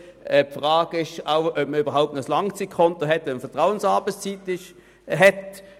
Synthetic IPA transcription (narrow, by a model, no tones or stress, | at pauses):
ɛpfʁaːɡɪʃaʊœp̚məyːbɐʁɦaʊp̚tnoɔəslɑŋt͡sit̚kʰɔntoɦɛtʋɛnfɛɐtʁaʊənsɑːbəst͡sitɪʃ | ɦɛt